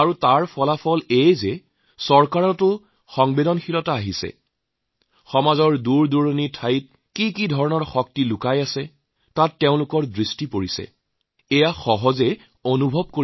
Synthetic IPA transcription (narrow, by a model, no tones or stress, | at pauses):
aɹutaɹpʰɔlapʰɔlejzɛ | sɔɹkaɹɔtʊ | xɔŋbedɔnxilɔtaːɦisɛ̰ | xɔmazɔɹduɹduɹonitʰajt̚ | kikidʱɔɹɔnɔɹxɔk̚tilʊkajasɛ | tatːeʊ̃lʊkɔɹdɹistipoɹisɛ̰ | ɛjaxɔɦɔzɛ | onubʱɔb̚ko